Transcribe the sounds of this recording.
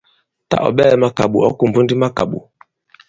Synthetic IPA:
ta̰˦ʔɔ̰˨ɓɛ˦ma˦ka˨ɓu˨ɔ˦ku˨m˨pu˦ndi˦ma˦ka˨ɓṵ˨

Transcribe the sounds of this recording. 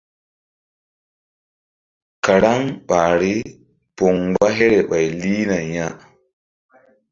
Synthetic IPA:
ka˨ɾa˦ŋɓaː˨ɾi˦ | pɔ˨ŋɡ͡ba˦ɦɛ˦ɾɛ˨ɓa˨jliː˦na˨ɲa˦

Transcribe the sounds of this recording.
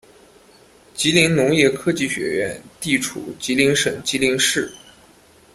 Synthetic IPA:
t͡ɕi˧˥li˧˥ŋnʊ˧˥ŋjɛ˥˧kʰɤ˥t͡ɕi˥˩ɕɥɛ̰˧˥ɥɛ̰˥˩nt̪i˥˩ʈ͡ʂʰṵ˨˩t͡ɕi˧˥li˧˥ŋʂə˨˩ŋt͡ɕi˧˥li˧˥ŋʂɻ̩˥˩

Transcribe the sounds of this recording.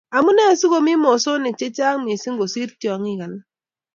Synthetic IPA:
a˨mu˦na˦˨˦su˦ɣo˦mi˦mo˨so˦ne˨t͡ʃe˦t͡ʃa˦ŋ˦mi˨si˦ŋ̩˦ɡo˨si˦ɾtɔ˨ŋi˦ɣa˨na˦

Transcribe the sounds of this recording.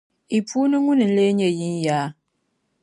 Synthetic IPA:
i˨pʰu˦nɨ˦ŋu˦nɨ˨n̩˦le˦ɲe˦ji˦n˦jaː˨˦

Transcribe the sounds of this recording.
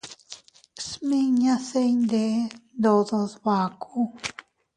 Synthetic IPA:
smi˦ɲã˦se˦jnd̪e˧˦nd̪o˧d̪a˧zba˨kʰu˦

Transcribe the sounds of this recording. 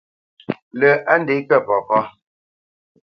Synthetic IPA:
lə˨a˦n˦de˨˦kɛ˦˨pɔ˨pɔ˦

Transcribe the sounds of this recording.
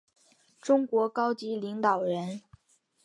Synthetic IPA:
ʈ͡ʂʊ˥ŋkwɔ˧˥kɑ˥ʊt͡ɕi˧˥li˧˥ŋt̪ɑ˨˩ʊɻə˧˥n

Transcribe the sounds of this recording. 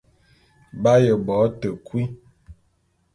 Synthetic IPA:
ba˦jə˨bɔ˨˦tə˨kwi˦

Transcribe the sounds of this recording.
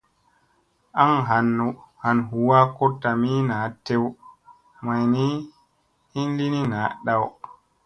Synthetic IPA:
ʔa˦ŋɦa˨n˨ha˨nɦu˨wa˦kɔ˦tːa˨mi˦na˨tːe˦w | ma˨jni˦ | i˦nli˦ni˦naː˨˦ɗa˦˨w

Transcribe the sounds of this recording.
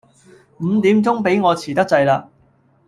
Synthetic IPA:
m̩˨˧t̪iː˨˥mt͡sʊ˥ŋpe˨˥jŋɔː˨˧t͡sʰiː˨˩t̪ɐ˥k̚t͡sɐ˧jlaː˧

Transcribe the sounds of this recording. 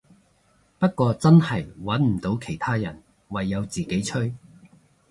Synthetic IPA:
pɐ˥t̚kʷɔː˧t͡sɐ˥nhɐ˨˩jwɐ˨˥nm̩˨˩t̪o˨˥wkʰe˨˩jt̪ʰaː˥jɐ˨˩n | wɐ˨jːɐ˨˧wt͡siː˨˩ke˨˥jt͡ʃʰɵ˥ɥ

